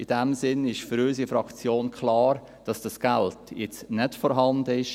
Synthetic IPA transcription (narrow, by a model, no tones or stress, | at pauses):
id̥ɛmsɪnɪʃfyɾys̬ifɾɑkt͡sjoːnkʰlɑːɾ | d̥ɑsd̥ɑsɡ̥æltjɛt͡snɛtfɔɾɦɑndəɪʃ